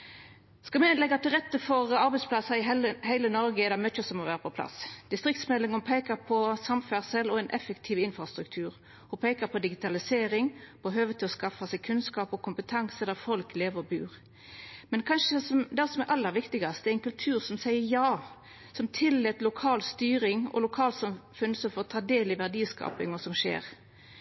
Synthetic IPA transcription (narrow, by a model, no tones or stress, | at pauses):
skɑmɛlɛɡːɑt̪ɪlʁɛt̪ːəfɔʁɑɾbɛɪspʰlɑsɑɪhæɪlənɔɾɡəɛd̪ɛmœt͡ʃːəsɔmɔʋæːʁəpʰɔpʰlɑ̰sd̪̥ɪst̪ʁɪkt̪smɛlːɪŋɔpʰeːkɑpʰɔsɑmfæʁsɛlɔɛnʔɛfəkt̪ʰiːʋɪnfʁɑst̪ɾʉk̚t̪ʰʉːʁ | hʊpʰeːkəpʰɔd̪ɪɡɪt̪ʰɑlɪseːɾɪŋb̥ɔɦøːʋət̪ʰɪlɔskɑfɑsɛɡkʰʉnskɑːpɔkʊmpət̪ʰɑŋsəd̪æʁfɔlkleːʋəʁɔbʉːʁ | mɛnkʰɑnʂəsɔd̪ɛsɔmɛʔɑlːəɾʋɪkt̪ɪɡɑst̪ɛæʁɛɪnkʉlt̪ʰʉːʁsɔmsæɪəɾjɑː | sɔmt̪ʰɪlːɛt̪lʊkʰɑːlst̪yːɾɪŋɔ̰lʊkʰɑːlsɑmfʉnsɔfɔɔt̪ʰɑːd̪eːlɪʋæʁd̪iːskɑ̰ːpɪŋɔsɔmʃḛːʁ